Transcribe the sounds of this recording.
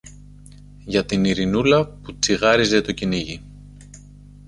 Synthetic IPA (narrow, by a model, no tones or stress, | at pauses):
ʝɐt̪iniɾinulɐput͡siɣɐɾize̞t̪o̞ciniʝi